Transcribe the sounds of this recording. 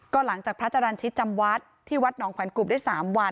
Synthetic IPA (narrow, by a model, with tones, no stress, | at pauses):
kɔː˥˩la˩˦ŋt͡ɕaː˨˩k̚pɾa˦˥tt͡ɕʰːa˧ɾa˧nt͡ɕʰi˦˥t̪̚t͡ɕa˧mwa˦˥t̪̚ʰːiː˥˩wa˦˥t̪̚nɔː˩˦ŋkʰwɛː˩˦nku˨˩daː˥˩jsaː˩˦mwa˧n